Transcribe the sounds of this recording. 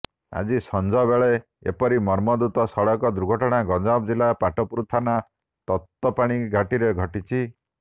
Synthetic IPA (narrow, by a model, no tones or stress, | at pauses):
a̰d͡ʒisɔnd͡ʒɔbeɭe | ḛpɔɾimɔɾmɔd̪ut̪ɔsɔɽɔkɔd̪ɾuɡʱɔʈɔɽ̃aɡɔd͡ʒabd͡ʒilapaʈɔpuɾut̪ʰːana | t̪ɔt̪ːɔpaɽ̃iɡʱaʈiɾeɡʱɔʈit͡ʃʰi